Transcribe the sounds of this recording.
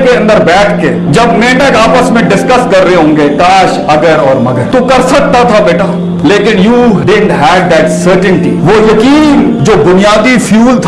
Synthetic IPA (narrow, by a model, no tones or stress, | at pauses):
keɐ̃nd̪əɾbɛːʈʰke | d͡ʒɐbmẽːɖəkaːpəsmẽɖɪskəskɐɾːɐɦeɦõːŋɡekaːʃɐɡəɾɔːɾmɐɡəɾt̪okɐɾsək̚t̪at̪ʰabeːʈa | leːkɪ̃njuːɖɪɖɳʈɦɛːɖ̚d̪ɛʈsəːɾʈə̃ɳʈiʋojɐkiːn | d͡ʒoːbʊnijaːd̪ifjuːlt̪ʰ